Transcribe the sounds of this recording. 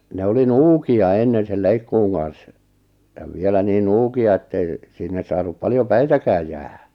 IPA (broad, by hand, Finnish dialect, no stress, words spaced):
ne oli nuːkiɑ enːen̞ sel leikːuːŋ kɑn̞s jɑ ʋielæ niːn nuːkiɑ etːei sinːe sɑːnup pɑljo pæitækæːj jæːhæ̥